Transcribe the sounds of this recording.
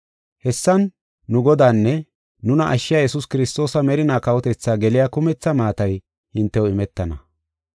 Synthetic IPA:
hɛsːɐnː | ʊɡɔd̪aːnːɛ | nʊnɐʔɐʃːɪjaːjɛsʊskɪɾɪst̪o̞ːsɐmɛɾɪnaːkɐwɔt̪ɛt͡sːaːɡɛlɪjakʊmɛt͡sːɐmaːt̪ɐj | hɪnt̪ːɛwɔɪmɛt̪ːɐnɐ

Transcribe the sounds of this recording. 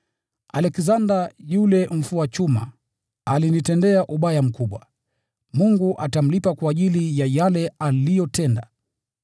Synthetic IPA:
alɛkzandajulɛm̩fuat͡ʃuma̰ | alinitɛndɛaʔuɓajam̩kuɓwa | muŋɡuʔatam̩lipakwaːʄilijajalɛalijɔtɛnda

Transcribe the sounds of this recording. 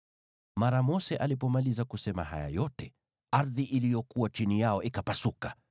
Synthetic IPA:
maɾamɔsɛʔalipɔmalizakusɛma̰ɦa̰ja̰jɔtɛ | aɾðiʔilijɔkuwat͡ʃinijaɔʔikapasukḁ

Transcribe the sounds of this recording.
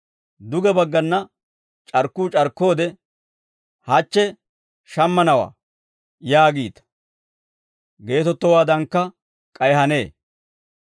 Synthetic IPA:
d̪ʊɡɛbɐɡːɐnːɐ | t͡ʃʼɐɾkːuːt͡ʃʼɐɾkːo̞ːd̪ɛ | hɐt͡ʃːɛ | ʃɐmːɐnɐwa̰ː | jaːɡiːt̪ɐ̥ | ɡe̞ːt̪ɔt̪ːɔwaːd̪ɐŋkːɐ | kʼɐjɦɐne̞ː

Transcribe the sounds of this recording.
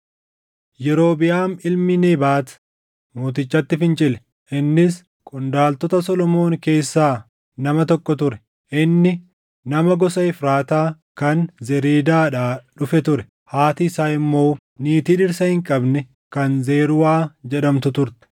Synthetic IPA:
jɛɾo̞ːbɪjaːnɪlmɪneːbaːt̪ | muːt̪ɪt͡ʃːɐt̪ːɪfɪnt͡ʃʼɪlɛ | ʔɪnːɪs | kʼʊnd̪aːlt̪ɔt̪ɐsɔlɔmo̞ːŋke̞ːsːaː | nɐmɐt̪ɔkʼːɔt̪ʊɾɛ̥ | ʔɪnːɪ | nɐmɐɡɔsɐɪfɾaːt̪aː | kɐnzɛɾiːd̪aːᶑaːᶑʊfɛt̪ʊɾɛ̥ | haːt̪ɪːsaːɪmːo̞ː | niːt̪iːᶑɪɾsɐhɪŋkʼɐbnɛ | kɐnze̞ːɾʊwaːd͡ʒɛᶑɐmt̪ʊt̪ʊɾt̪ɪ̥

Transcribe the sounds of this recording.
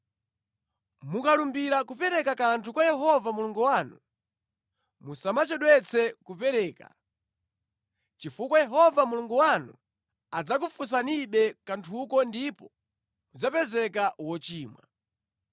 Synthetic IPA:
mukalumbiɾakupɛɾɛkakantʰukwajɛɦɔvamuluŋɡuwaːnu | musamat͡ʃɔɗwɛt͡sʰɛkupɛɾɛːka̰ | t͡ʃifukwajɛɦɔvamuluŋɡuwanṵ | ad͡zak̬ufus̬aniɓɛkantʰukɔndipɔ | mud͡zapɛzɛkawɔt͡ʃiːmwa̰

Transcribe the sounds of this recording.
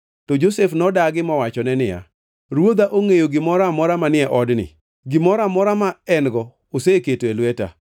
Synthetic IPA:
tɔd͡ʒosefnɔdaɡɪmɔwat͡ʃɔnɛnɪja̰ | ɾwod̪aʔoŋejoɡɪmɔɾamɔɾamanɪɛʔɔdnɪ̰ | ɡɪmɔɾamɔɾamaɛnɡɔ | oseketoelwɛta̰

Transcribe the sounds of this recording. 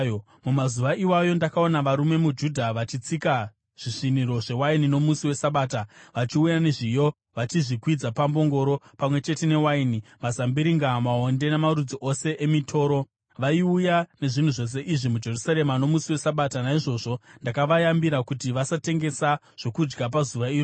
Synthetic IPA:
mumazuʋaʔiwajo̞ndakao̞naʋaɾume̞mud͡ʒudʱaʋat͡ʃit͡sika | ʐ̥iʂiniɾo̞ʐe̞wainino̞musiwe̞saɓaːtaʋat͡ʃiujaneʐijo̞ | ʋat͡ʃiʐikwid͡zapambo̞ŋɡo̞ɾo̞pamwe̞t͡ʃe̞te̞ne̞wainimazambiɾiŋɡamao̞nde̞nemaɾud͡ziʔo̞se̞ʔemitʰo̞ːɾo̞ | ʋaiujane̞ʐin̤uʐo̞s̬e̞ʔiʐimud͡ʒe̞rusaɾe̞mano̞musiwe̞saɓatanaiʐo̞ːʐo̞ndakaʋajambiɾakutiʋasate̞ŋɡe̞sa | ʐ̥o̞kud͡ʒɡap̬azuʋaiːro

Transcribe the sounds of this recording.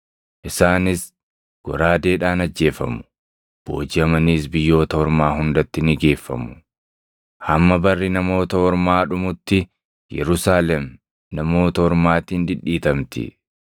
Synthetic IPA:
ʔɪsaːnɪs | ɡ̥ɔ̰ɾaːd̪e̞ːᶑaːnɐd͡ʒːe̞ːfɐ̰mʊ̥ | b̥oːd͡ʒɪɐmɐniːsbɪjːo̞ːt̪ɐhɔɾmaːɦʊnd̪ɐt̪ːɪnɪɡe̞ːfːɐ̰mʊ̥ | hɐmːɐbɐrːɪnɐmo̞ːt̪ɐhɔɾmaːᶑʊmʊt̪ːɪ | jɛ̰ɾʊsaːlɛm | nɐmo̞ːt̪ɐhɔɾmaːt̪iːnd̪ɪᶑːiːt̪ɐmt̪ɪ̰

